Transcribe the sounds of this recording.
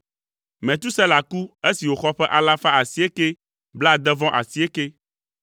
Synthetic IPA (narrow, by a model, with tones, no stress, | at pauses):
mɛ̃˨t̪u˦sɛ˦la˨ku˦e˦si˨wo˨xɔ˦ɸɛ˦ʔa˨la˦fa˦a˨si˦e˦ke˦ | bla˦˨d̪ɛ˦vɔ̃˦ʔa̰˨si˦e˦ke˦